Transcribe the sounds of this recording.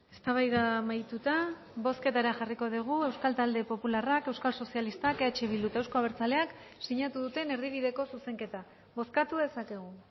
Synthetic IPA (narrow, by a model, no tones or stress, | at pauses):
e̞st̪aβajðamajt̪ut̪a | bo̞ske̞t̪aɾaʝariko̞ðiɣ̞ue̞wskalt̪ald̪e̞po̞pularakewskalso̞sialist̪akeat͡ʃe̞βilut̪ewsko̞aβeɾt͡sale̞ak | siɲat̪uðut̪e̞ne̞ɾðiβ̞iðe̞ko̞suse̞ŋke̞t̪a | βo̞skat̪uðe̞sake̞ɣ̞u